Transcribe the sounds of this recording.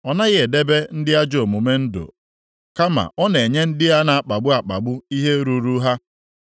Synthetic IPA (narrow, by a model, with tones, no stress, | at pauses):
ɔ˨na˦ɣɪ˦e˨de˦be˦n̩˦dɪ˦a˦d͡ʒo˨mu˨me˦n̩˦do̰˨ | ka˦ma̰˨ʔɔ˦ne˨ɲe˦n̩˦dɪ˦ja˦na˨a˦˨k͡pa˨ɡ͡bʊ˦a˨k͡pa̰˨ɡ͡bʊ˦i˦ɦe˦ɾu˦ɾu˦ɦa˦